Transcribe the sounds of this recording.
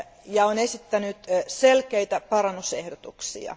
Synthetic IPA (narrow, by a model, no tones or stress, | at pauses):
jɑonesit̪ːænyt̪selkeit̪æpɑrɑnːusehdot̪uksḭɑ̰